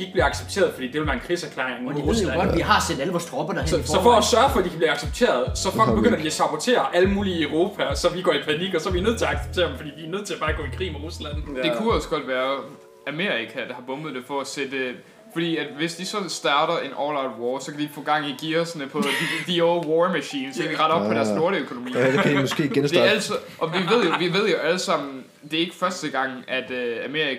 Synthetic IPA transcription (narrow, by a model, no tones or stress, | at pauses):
ieɡ̥̚b̥liːɑɡ̥seb̥̚t͡sʰe̝̰ɐð̩ˠfɒd̥ḭːd̥e̝ʋelʋæɐenkʰʁisæɐkʰlḛːeŋʁusædʋiɦɑ̈sedæləʋɒːsd̥ʰʁɔ̽b̥ɐd̥ɑsɒ̽fɒːsɶɐfɒ̽dikʰæb̥liːɑ̈ɡ̥seb̥̚t͡sʰe̝̰ːɐð̞ˠsɒ̽fɒl̰ɡ̥̚b̥eɡ̥øn̰ɐd̥iæsɑb̥ʰɒt͡sʰe̝̰ːɐʔæləmuːliːøʊʁo̝ːpʰæsɒ̽ʋiɡ̥ɒ̰ːipʰæniɡ̥ɒ̽sɒ̽æʋinøð̰ˠt͡sʰe̝ɑ̈ɡ̥se̥t͡sʰe̝̰ɐd̥m̩fɒ̽dḭːd̥iænøð̰ˠt͡sʰe̝læb̥ɑ̈ːɡ̥ɔ̰ːikʰʁḭːmeʁuslæn̰d̥e̝kʰuɒ̽sə̥ɡ̥ɒ̽d̥ʋæːɐ | æme̝̰ːɐʁikʰæd̥ɑ̈hɑ̈b̥ɔ̽mð̩ˠd̥e̝fɒ̽æsed̥ə | fɒd̥ḭːæd̥ʋe̝sd̥isɒ̽sd̥ɑ̈ːɾ̥ɐe̝nʔɒːlɑ̈ʊdwɒːsɒ̽kʰæd̥i̥fɔ̽ːɡ̥ɑ̈ŋ̰iɡ̥iːɒsnəpʰɒdid̥iowɒːmæɕḭːnsɒkʰæd̥iʁɑ̈ɾ̥ɒ̽b̥̚pʰːɒ̽d̥æɐsno̝ɐɾ̥əøkʰo̝no̝mḭːdkʰædimɒsɡ̥e̝̰ːɡensd̥eæl̰sʔɒ̽ʋiʋe̝ð̞̰ˠjoʋiʋe̝ð̞̰ˠjo̝ʔæləsɑ̈m̰n̩ | d̥e̝e̝ɡ̥ə̥fɶɐsd̥əɡ̥ɑ̈ŋ̰ʔæd̥æme̝ɐ̰ʁi